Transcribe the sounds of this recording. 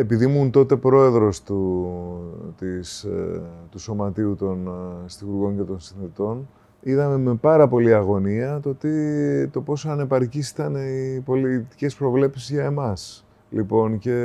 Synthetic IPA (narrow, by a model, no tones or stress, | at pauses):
e̞piðimunt̪o̞t̪e̞pɾo̞e̞ðɾo̞st̪u | t̪is | t̪uso̞mɐt̪iut̪o̞nst̪iɣuɾɣo̞nce̞t̪o̞nsinθit̪o̞n | iðɐme̞me̞pɐɾɐpo̞liɐɣo̞niɐt̪o̞t̪it̪o̞po̞sɐne̞pɐɾcisi̥t̪ɐneipo̞lit̪i̥ce̞spɾo̞vle̞psizʝɐe̞mɐs | lipo̞nce̞